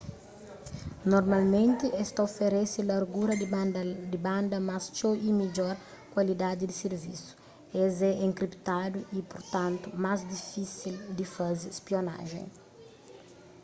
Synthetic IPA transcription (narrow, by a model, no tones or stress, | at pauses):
noɾmalmẽnt̪ɪʔɛst̪aofeɾɛsɪlaɾɡuɾɐd̪ibãnd̪ɐmast͡ʃoimid͡ʒɔɾ | kwalid̪ad̪ɪd̪iseɾvisu̥ | ɛzɛẽŋkɾipt̪ad̪uipoɾt̪ãnt̪ʊmazd̪ifisild̪ifazɪspiona̰ʒḛ̃j̃